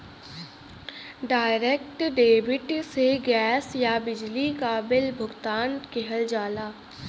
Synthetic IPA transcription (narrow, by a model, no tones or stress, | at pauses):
ɖaːɪɾeːkʈɖeːbɪʈseɡɛːsjabɪd͡ʒlikaːbɪlbʱʊɡt̪aːnkeɦəld͡ʒaːlaː